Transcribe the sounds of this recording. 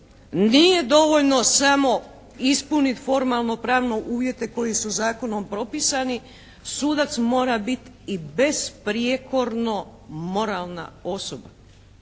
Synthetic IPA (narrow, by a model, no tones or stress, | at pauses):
nije̞d̪o̞ʋoʎno̞samo̞ | ispunit̪fo̞ɾmalˠno̞pɾaːʋnoʔuːʋje̞t̪e̞ko̞jisuzaːko̞no̞mpɾo̞pisani | suːd̪at̪smo̞ːɾabit̪ | ibe̞spɾjeko̞ɾno̞mo̞ɾaːlˠna̰o̞soba